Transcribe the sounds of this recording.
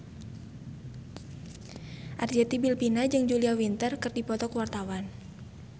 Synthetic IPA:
ʔard͡ʒɛt̪ibilpinad͡ʒɨŋd͡ʒuliawint̪ərkɨrdipɔt̪ɔkəwart̪awan

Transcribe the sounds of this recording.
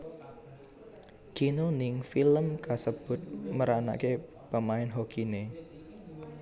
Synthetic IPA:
ɡ̥inonɪŋfiləmkasəb̥ʊ̤t̪̚məɾana̰ʔkepəmaɪnɦoɡ̥ine

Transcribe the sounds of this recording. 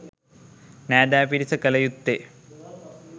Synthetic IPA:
næːɖ̪æːpiɾisəkəlɐjut̪ːe

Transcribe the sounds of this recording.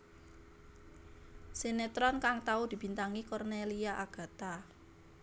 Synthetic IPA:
senet̪ɾɔnkaŋt̪aud̪̥i̤b̥i̤nt̪aŋikɔrneliaʔaɡ̥a̤t̪a

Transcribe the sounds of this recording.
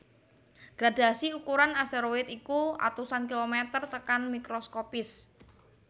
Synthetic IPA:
ɡ̥ɾad̥asiukuɾanast̪eɾoɪt̪ikua̰t̪usank̬ilomet̪ərt̪əkanmikɾoskopɪs

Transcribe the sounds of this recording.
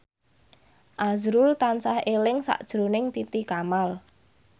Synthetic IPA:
ʔazɾʊlt̪ansahelɪŋsa̰ʔd̥ʒ̥ɾunɪŋt̪it̪ikamal

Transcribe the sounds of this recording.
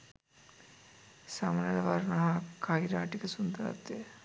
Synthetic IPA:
samanɐlɐʋaɾnɐɦakʰajɾaːʈikəsund̪əɾa̰t̪ːe

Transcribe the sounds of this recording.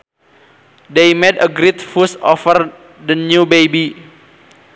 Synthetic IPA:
dejmɛdəɡɾit̪̚fusɔfər | dənubejbi

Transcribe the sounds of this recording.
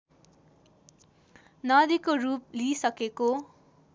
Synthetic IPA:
nʌd̪ikorup̚lisʌkeko

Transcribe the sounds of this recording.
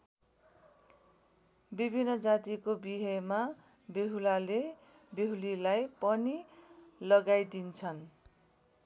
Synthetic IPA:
bibʱinːʌd͡zat̪ikobiɦʌjma | beɦulale | beɦulilajpʌnilʌɡajd̪int͡sʰʌn

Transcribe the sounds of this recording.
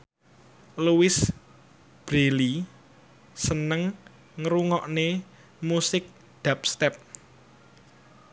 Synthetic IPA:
luwɪs | b̥ɾeli | sənəŋ | ŋɾuŋɔʔne | musɪk̚ | d̪̥a̤p̚st̪ɛp̚

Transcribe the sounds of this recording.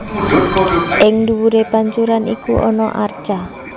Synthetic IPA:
ʔɪŋnduwuɾepaɲt͡ʃuɾanḭkuʔɔnɔʔar̥t͡ʃa

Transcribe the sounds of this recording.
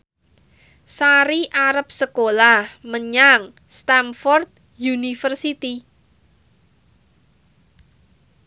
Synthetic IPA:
saɾiʔaɾəp̚səkolahməɲaŋ | st̪amfɔrt̪̚ | junifərsit̪i

